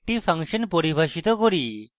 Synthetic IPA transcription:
ʈipʰaŋʃɔnpoɾibʱaʃit̪okoɾi

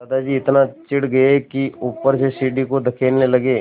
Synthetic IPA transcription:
ɐd̪ad͡ʒiːɪt̪nat͡ʃɪɽɡɐekiuːpːəɾsesiːɖikod̪ɐkʰeːnlelɐɡeː

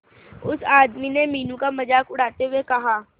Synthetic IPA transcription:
ʊsaːd̪minemiːnũkamɐd͡ʒaːkʊɽ̤aːt̪eɦʊekɐɦaː

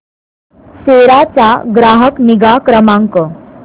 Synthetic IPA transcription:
seɾat͡sa̰ɡɾaɦəkniɡakɾəmaŋkə

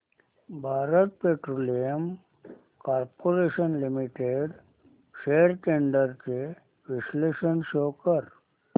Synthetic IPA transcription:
bʱaːɾət̪̚peʈɾoːlijəm | kaːɾpoɾeːʃənlimiʈeɖ | ʃeːɾʈẽɳɖəɾt͡ʃe | ʋɪsleːʃənʃoːkəɾ

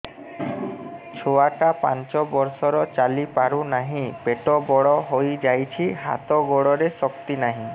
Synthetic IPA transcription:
t͡ʃʰoaʈapa̰nt͡ʃɔbɔɾsɔɾɔt͡ʃalipaɾunaɦĩpeʈɔbɔɽɔɦojd͡ʒajt͡ɕʰiɦa̰t̪ɔɡɔɽɔɾesɔkt̪inaɦĩ

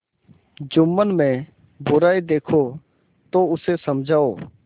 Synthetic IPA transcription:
d͡ʒʊmːənmẽː | bʊɾaːid̪eːkʰoː | t̪oːʊseːsəmd͡ʒʱaːoː

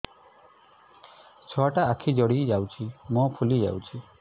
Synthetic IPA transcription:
t͡ʃʰɔaʈaːkʰid͡ʒɔɽid͡ʒawt͡ʃʰimɔpʰulid͡ʒa̰wt͡ʃʰi

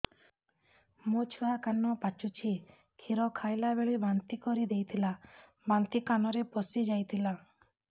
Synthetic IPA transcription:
mot͡ʃʰuakanːɔpat͡ʃut͡ʃʰi | kʰiɾɔkʰajlabeɭibant̪ikɔɾid̪ejt̪ʰila | bant̪ikanɔɾepɔsid͡ʒajt̪ʰila

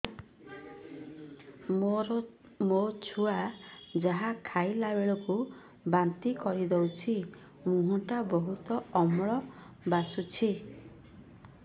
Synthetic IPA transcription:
mot͡ʃʰuad͡ʒaɦakʰajlabeɭɔku | bant̪ikɔɾid̪ɔwt͡ʃʰi | mũɦɔ̃ʈabɔɦut̪ɔɔmɭɔ | basut͡ʃʰi

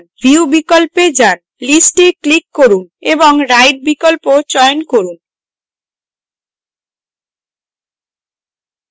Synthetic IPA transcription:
nbʱiubikolped͡ʑan | lisʈeklikːoɾuneboŋɾajʈ̚bikolpot͡ɕɔenkoɾun

